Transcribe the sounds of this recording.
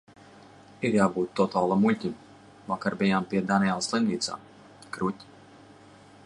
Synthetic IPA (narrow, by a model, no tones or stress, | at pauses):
iɾjaːbuːt̪ːɔt̪aːlˠamːulʲtʲim | vakaɾbijaːmpiɛd̪anijɛlˠslˠinvʲiːt̪sa̰ː | kɾut̪ʲ